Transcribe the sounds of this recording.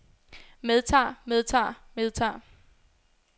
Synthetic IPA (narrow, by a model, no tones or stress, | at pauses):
með̞ˠt͡sʰɑ̰̈ːmeð̞ˠt͡sʰɑ̰̈ːmeðˠt͡sʰɑ̰̈ː